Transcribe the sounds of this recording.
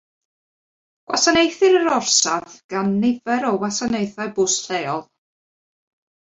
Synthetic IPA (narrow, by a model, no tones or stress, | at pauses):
ɡ̥wa̰sanejθɪɾəɾɔrsaθɡ̥anːɪvɛɾɔwasanejθajbʊsɬeːɔlˠ